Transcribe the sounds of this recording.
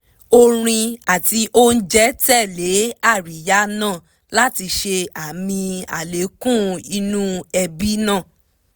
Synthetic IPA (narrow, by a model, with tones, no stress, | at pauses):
o˧ɾ̃ĩ˧a˨ti˧o˦n̩˦d͡ʒɛ˦tɛ˦˨le˨˦a˦˨ɾi˨ja˦nãː˦˨ | la˦ti˧ʃe˧a˨mĩ˧a̰˨le˨˦kũ˦˨i˧nũ˦ɛ˧bi˦nãː˦˨